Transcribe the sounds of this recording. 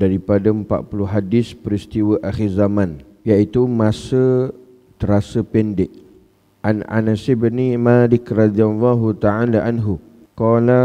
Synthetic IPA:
daɾipadaəmpa̰ʔ̪̚puluɦadɪspəɾist̪iwəʔaxirzamãn | jait̪umasə | t̪əɾasəpɛndɪʔ | ʔana̰nasɪbnimalɪkrɑd̪ialːaɦut̪aʕalaʔanɦu | kɔːla

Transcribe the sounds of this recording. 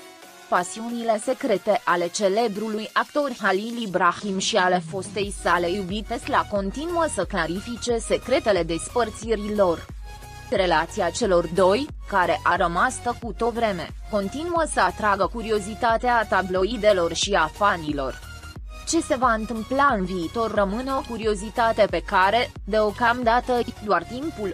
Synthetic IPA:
pasiunile̞se̞kɾe̞t̪e̞ʔale̞t͡ʃe̞le̞bɾulujakt̪o̞rʲɦalilibɾaximʃiale̞fo̞st̪e̞jsale̞jubit̪eslako̞nt̪inuəsəklaɾifit͡ʃe̞se̞kɾe̞t̪e̞le̞d̪e̞spərt̪siɾilo̞r | ɾe̞lat̪siat͡ʃe̞lo̞rd̪o̞j | kaɾe̞ʔaɾəmast̪əkut̪o̞t̪vɾe̞me̞̰ | ko̞nt̪inuəsəat̪ɾaɡəkuɾio̞zit̪at̪eat̪ablo̞id̪e̞lo̞rʃiafanilo̞̰r | t͡ʃe̞se̞vaɨnt̪ɨmplaɨnviːt̪o̞rrəmɨneo̞kuɾio̞zit̪at̪e̞pe̞kaɾe̞ | d̪e̞o̞kamd̪at̪əd̪oart̪impul

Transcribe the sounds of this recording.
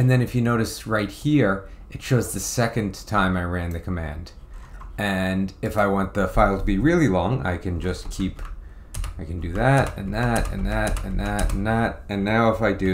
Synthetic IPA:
ɨ̃nðɨ̃nɨfjɨnoʊɾɨsɹaɪt̚hiɹ | ʔɨt̚t͡ʃʰoʊzðɨsɛkɨ̃ntʰãɪ̃maɪɹæ̃nðɨkʰəmæ̰̃nd | ɨ̃nɨfaɪwɑ̃nðəfaɪlˠtʰəbiɹɪlˠilɔ̃ŋa̰ɪkʰɨ̃nd͡ʒʌskʰip | aɪkɨ̃n̩dɨðɨɾɨ̰̃nðɨɾɨ̰̃nðɨɾɨ̰̃nðɨɾɨ̰̃n̩ðɨɾɨ̃nːaʊəfaɪdɨ

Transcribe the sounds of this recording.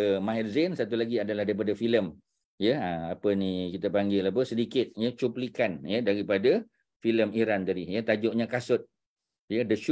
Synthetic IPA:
əmãɛrzensat̪ulaɡiadalahdaɾipadafiləm | jəaapənikit̪apaŋɡilap̬əsədikɪt̪̚jət͡ʃuplikanjədaɾipada | filəmiɾand̪adijət̪ad͡ʒɔʔɲakasʊt̪̚ | jədəʃu

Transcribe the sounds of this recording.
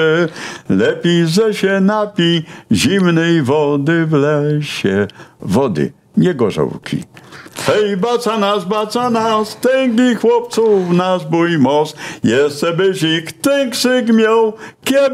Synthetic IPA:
lɛpʲejzɛɕɛnapʲiʑimnɛjvɔd̪ɘvlɛɕɛvɔd̪ɪ̰ | ɲɛɡɔʐɔ̰wkʲʰḭhɛjbasanasbat̪sanast̪ɛŋɡʲixwɔpt̪sufnazbujmɔsjɛst͡sɛbɘɕikt̪ɛŋkʂɪkmʲjawkʲɛ

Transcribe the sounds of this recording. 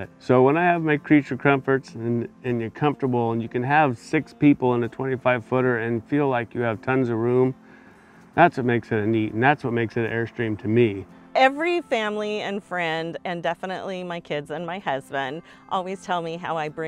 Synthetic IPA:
t̚soʊwə̃naɪɨvmaɪkʰɹ̥it͡ʃə˞kʰʌ̃ɱfə˞tsɨ̃nɨ̃njə˞kʰʌ̃ɱftə˞bl̩ˠə̃njɨkɨ̃nəv̥sɪkspipl̩ˠə̃nɨtʰw̥ɛ̃ɾ̃ifaɪv̥fʊɾə˞ɨ̃nfilaɪkjɨːv̥tʰʌ̃nzʌvɹʉ̃m | ðætswʌt̚meɪksɨɾɨnitn̩ðætswʌt̚meɪksɨɾɨɛɹstɹ̥ĩmtʰɨmi | ɛvɹifæ̃mliɨ̃nfɹɛ̃ndɨ̃ndɛfənɨ̰ʔlimaɪkʰɪdzɨ̃nmaɪhʌzbɨ̃nd | ʔɔlˠwiz̥tʰɛlˠmiɦa̰ʊaɪbɹɪ̃

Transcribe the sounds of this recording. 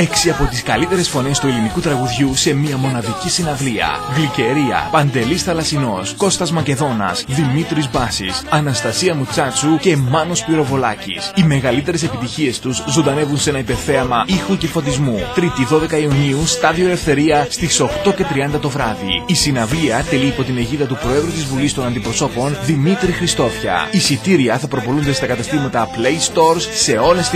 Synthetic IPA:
e̞ksiɐpo̞t̪iskɐlit̪e̞ɾe̞sfo̞ne̞st̪ue̞linikut̪ɾɐɣuðʝuse̞miɐmo̞nɐðicisinɐvliɐ̰ɣlice̞ɾiɐ̰pɐnd̪e̞lisθɐlɐsino̞sko̞st̪ɐzmɐce̞ðo̞nɐ̰sðimit̪ɾizbɐsḭsɐnɐst̪ɐsiɐmut͡sɐt͡suce̞mɐno̞spliɾo̞vo̞lɐ̰cḭsime̞ɣɐlit̪e̞ɾe̞se̞pit̪içie̞st̪uzzund̪ɐne̞vunse̞nɐipe̞θe̞ɐmɐixuce̞fot̪izmut̪ɾit̪iðo̞ðe̞kɐiuniust̪ɐðio̞ele̞fθe̞ɾiɐst̪iso̞xt̪o̞ce̞t̪ɾiɐnd̪ɐt̪ovɾɐðḭisinɐviɐt̪e̞liːpo̞t̪ine̞ʝiðɐt̪upɾo̞e̞ðɾut̪izvulist̪o̞nɐnd̪ipɾo̞so̞po̞nðimit̪ɾixɾist̪o̞fçɐ̰isit̪iɾiɐθɐpɾo̞po̞lund̪est̪ɐkɐt̪ɐst̪imɐt̪ɐpleist̪o̞ɾsːe̞o̞les

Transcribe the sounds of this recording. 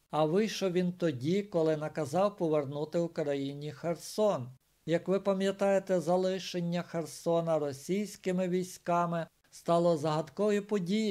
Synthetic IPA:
ɐʋɪjʃɔʋʲint̪ɔdʲikɔlˠɪnɐkɐzɑwpɔʋernut̪ɪwkɾɐjinʲixersɔn | jɐkʋɪpɐmʲjɐt̪ɑjet̪ɛzɐlˠɪʃenʲːɐxersɔnɐɾɔsʲijsʲkɪmɪʋʲijsʲkɑmɪ | st̪ɑlˠɔzɐɦɐd̪kɔjipɔdʲiji

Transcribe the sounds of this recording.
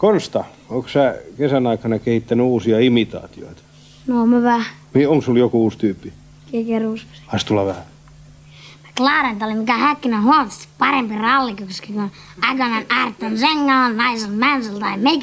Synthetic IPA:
konst̪ɑ | oksækesænɑikɑnɑkehit̪ːænyuːsiɑimit̪ɑ̰ːt̪io̰it̪ɑ̥ | nomæʋæhmioŋkssuljokuuːst̪yːpːi | kekerussɑist̪ulːɑʋæhæ | mæ̥klɑːɾent̪olimikæhækːinæhuɑmɑt̪ːe̥st̪i̥ppɑrempirɑlːikukskikun | æɡonɑnɑrt̪ːonseŋːɑonnɑiselmænselt̪ɑimek

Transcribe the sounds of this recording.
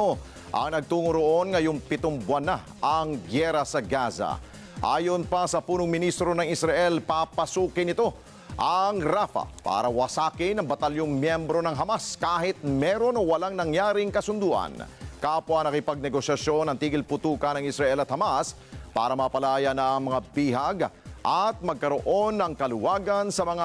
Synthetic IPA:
o | ʔɐ̰ŋnɐɡ̚t̪uːŋʊɾoʔo̞nŋɐjoŋpɪt̪oŋbwɐna | ʔɐŋɡjɛɾɐsɐɡaza̰ | ʔa̰ːjonpɐsɐpuːnʊŋmɪnist̪ɾo̞nɐŋɪsɾɐʔɛlpapɐsuːkɪnɪt̪o̞ | ʔɐŋɾafɐ̰pa̰ːɾɐwɐsaːkɪnɐŋbɐt̪ɐljoŋmjɛmbɾo̞nɐŋɦɐmaskaːɦɪt̪̚mɛɾo̞nowɐlaŋnɐŋjaːɾɪŋkɐsʊnd̪uːʔɐ̰nkapwɐnɐkɪpaɡ̚nɛɡo̞sjɐʃjo̞nɐŋt̪iːɡɪlpʊt̪uːkɐnɐŋɪsɾɐʔɛlɐt̪hɐmas | pa̰ːɾɐmɐpɐlaːjanɐʔɐŋmɐŋabiɦɐɡʔat̪̚mɐɡ̚kɐɾo̞ʔo̞nɐŋkɐlʊwaːɡɐnsɐmɐŋa

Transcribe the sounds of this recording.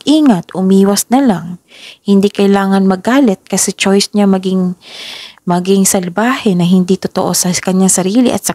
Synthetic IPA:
ʔiːŋɐt̪ʔʊmiːwɐsnɐlaŋ | hɪnd̪ikɐjlaːŋɐnmɐɡaːlɪt̪̚kɐsɛt͡ʃojsɲamɐɡɪŋ | mɐɡɪŋsɐlbaːhɛnɐɦɪnd̪it̪ʊt̪oʔo̞sɐkɐɲːaŋsɐɾiːlɪ̰ʔɐ̰t̪sɐ

